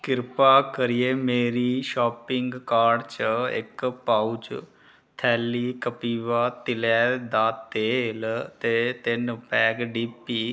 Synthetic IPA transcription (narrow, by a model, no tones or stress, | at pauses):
kɪɾpaːkəɾijeːmeːɾiːʃɔːpɪŋɡkaːɖt͡ʃəɪ̰kpaut͡ʃ | t̪ʰɛːliːkəpiːʋaːt̪ɪlɛːd̪aːt̪eːlt̪eːt̪ɪnpɛːɡɖiːpiː